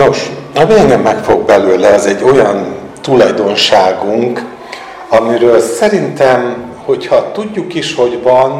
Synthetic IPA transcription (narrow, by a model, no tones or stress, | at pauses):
no̞ʃɒmijɛŋɡɛmːɛkfo̞̰ɡ̚bɛløːlɛɒzɛɟːo̞jɒnt̪ulɒjd̪o̞nʃaːɡuŋk | ɒmiɾøːlsɛɾint̪ɛm | ho̞chɒt̪uɟːukiʃho̞ɟvɒn